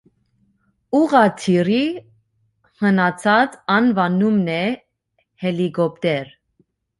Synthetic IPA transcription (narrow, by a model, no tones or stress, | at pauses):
uʁɑt̪ʰiɾi | hənɑt͡sʰɑt͡sɑnvɑnumnɛ | hɛlikɔp̚t̪ɛɾ